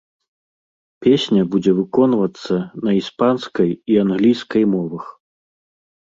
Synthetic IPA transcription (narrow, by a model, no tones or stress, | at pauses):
pʲesʲnʲɐbud͡zʲɛvɨkɔnvɐt̪sːɐnɐispanskɐjianɣlʲijskɐjmɔvɐx